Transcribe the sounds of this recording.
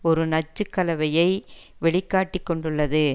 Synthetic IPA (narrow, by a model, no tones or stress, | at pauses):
ɔɾɯnɐt͡ʃːɯkːɐlɐʋɐjɐɪ | ʋɛɭɪkːaːʈːɪkːɔɳɖɯɭːɐðɯ